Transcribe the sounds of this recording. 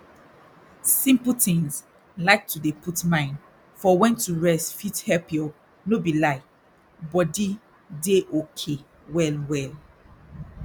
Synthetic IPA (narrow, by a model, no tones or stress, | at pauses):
sĩmpl̩tĩŋz | laɪk̚tudepʰutmãɪ̃n | fɔwɛ̃ntuɹɛstfithɛlpiɔ | nobilaɪk | bɔdi | deʔokʰe | wɛlwɛl